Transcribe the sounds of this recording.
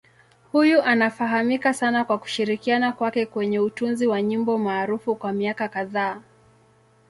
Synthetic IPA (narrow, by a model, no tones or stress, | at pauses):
hujuʔanafaɦamikasanakwaku̥ʃiɾikianakwakɛkwɛɲɛutunziwaɲimbɔmaːɾufukwamiakakaðaː